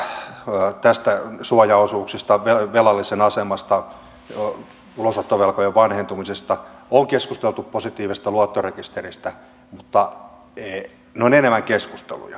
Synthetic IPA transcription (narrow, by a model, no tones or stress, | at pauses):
t̪æst̪æsuɑjɑosuːksist̪ɑʋeʋelɑlːisenɑsemɑst̪ɑ | ulosot̪ːoʋelkojeʋʋɑnhent̪umisest̪ɑoŋkeskust̪elt̪upposit̪iːʋist̪ɑluot̪ːorekist̪erist̪æ | mut̪ːɑ | eː | neonenemæŋkeskust̪ḛlṵjɑ